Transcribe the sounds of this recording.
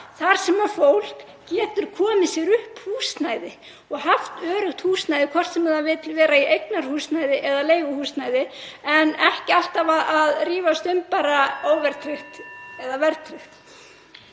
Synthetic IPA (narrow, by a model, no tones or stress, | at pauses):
θaɾ̥sɛmaɾfowl̥k | cɛːt̪ʏɾ̥kʰɔːmɪsjɛɾʏhphuːsnaːjðɪ | ɔɣɦaft̪œːɾʏxt̪huːsnajðɪkʰɔr̥t̪sɛmaðavɪːðt̪ʰɪlvɛːɾaiʔejknaɾ̥huːsnajðɪʔɛðaleːjɣʏhuːsnajðɪɛnɛhcɪal̥t̪avaaðriːvast̪ʏmpaːɾaoːwvɛɾt̪ʰɾɪxt̪ɛðavɛɾt̪ʰɾɪxt̪